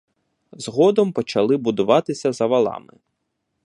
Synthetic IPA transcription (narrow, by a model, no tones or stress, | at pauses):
zɦɔd̪ɔmpɔt͡ʃɐlˠɪbʊd̪ʊʋɑt̪ɪsʲɐzɐʋɐlˠɑ̰mɪ̰